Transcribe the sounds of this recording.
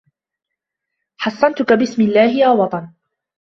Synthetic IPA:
ħɑsˤːɑnt̪ʊkabɪsmɪlːaːhɪjaːwɑt̪ˤɑn

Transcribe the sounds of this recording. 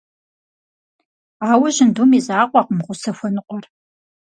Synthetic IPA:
aːwɐʑɪndumiːzaːqʷɑqmʁʷʊsɐxʷɔnɨqʷɔr

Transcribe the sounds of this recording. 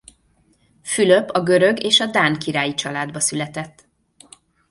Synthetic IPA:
fylø̞pːɒɡø̞ɾø̞ɡeːʃɒd̪aːnkiɾaːjit͡ʃɒlaːd̪bɒsylɛt̪ɛt̪ː

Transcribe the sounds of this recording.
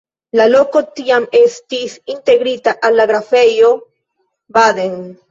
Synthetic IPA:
lalokot̪iamest̪isint̪eɡɾit̪aʔalːaɡɾafejo | bad̪en

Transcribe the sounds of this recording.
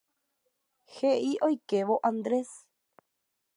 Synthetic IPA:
xeʔiʔojkeʋoʔãnd̪ɾes

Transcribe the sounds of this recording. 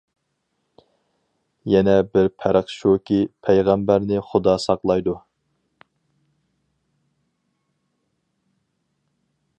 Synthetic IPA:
jɛnɛbɪɾpʰæɾəχʃukʲipʰɛjʁæmbæɾnɪχʊd̪ɑsɑqlˠɑjd̪u

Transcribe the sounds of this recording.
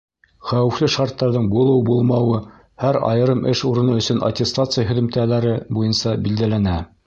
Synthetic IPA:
χæwɘ̆flɘʃɑɾt̪ːɑɾðɤɴbulˠɤwbulˠmɑwɤ | hæɾɑ̰jɤ̆ɾɤmʔɘʃuɾɤ̆nɤɵ̆sɵnʔa̰tʲest̪at̪sɨɪjaɦɵ̆ðɵ̆mt̪ælæɾɘbujɤnsɑbild̪ælænæ

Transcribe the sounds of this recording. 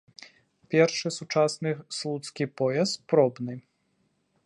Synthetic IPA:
pʲɛrʂɨsut͡ʂasnɨslˠut̪skʲipɔjɛspɾɔbnɨ

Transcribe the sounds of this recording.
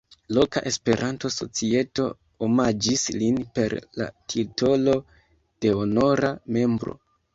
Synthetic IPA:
lo̞kaʔe̞spe̞ɾʔanto̞so̞̰t͡sie̞to̞ | omad͡ʒislinpe̞ɾla̰tʰito̞lo̞ | d̥e̞ono̞ɾame̞mbɾo̞̰

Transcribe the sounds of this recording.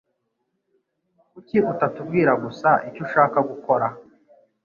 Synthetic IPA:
kuciutatub̚ɡiːɾaɡusaʔicoʃaːkaɡuko̞ɾa

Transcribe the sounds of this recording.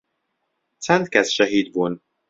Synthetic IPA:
t̪sɛnt̪kɛsʃɛɦid̪bon

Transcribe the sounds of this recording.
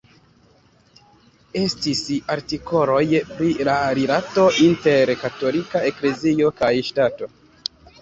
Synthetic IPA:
e̞stisaɾtiko̞lo̞jpɾilaɾilato̞ʔinte̞ɾkato̞likae̞kle̞zio̞kajʃtato̞

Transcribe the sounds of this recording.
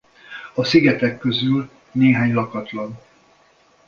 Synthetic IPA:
ɒsiɡɛt̪ɛkːø̞zyl | neːɦaːɲlɒkɒt̪lɒn

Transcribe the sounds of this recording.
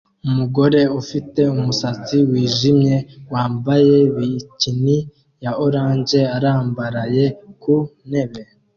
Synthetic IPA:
umuɡo̞ɾe̞ufite̞umusat͡siwiːʒimɲe̞waːmbaje̞βicini | jaoɾaːɲd͡ʒe̞aɾaːmbaɾaje̞kune̞βe̞

